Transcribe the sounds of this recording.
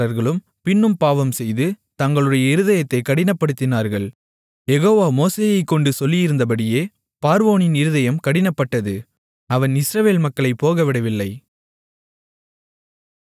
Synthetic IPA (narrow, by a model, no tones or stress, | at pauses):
ɐɾɣɐɭɯm | pɪnːɯmpaːʋɐmsɛjðɯ | t̪ɐŋɡɐɭɯɽɐjɐɪɾɯðɐjɐt̪ːɐɪkɐɽɪnɐpːɐɽɯt̪ːɪnaːɾɣɐɭ | jɛɣoːʋaːmoːseːjɐɪkːɔɳɖɯsɔlːɪjɪɾɯnd̪ɐp̬ɐɽɪjeː | paːɾʋoːnɪnɪɾɯðɐjɐmkɐɽɪnɐpːɐʈːɐðɯ | ɐʋɐnɪsɾɐʋeːlmɐkːɐɭɐɪpːoːɣɐʋɪɽɐʋɪlːɐɪ